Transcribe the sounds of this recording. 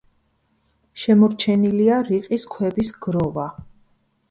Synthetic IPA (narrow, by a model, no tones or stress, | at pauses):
ʃɛmɔɾt͡ʃʰɛniliaɾiqʼiskʰwɛbisɡ̥ɾɔva